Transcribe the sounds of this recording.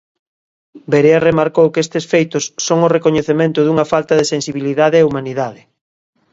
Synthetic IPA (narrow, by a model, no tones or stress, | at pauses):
beɾearemaɾkowkest̪esfejt̪ʊsːoŋʊrekoɲeθemẽnt̪ʊðuŋɐfalt̪ɐðesẽnsiβiliðaðɪɛumaniðaðɪ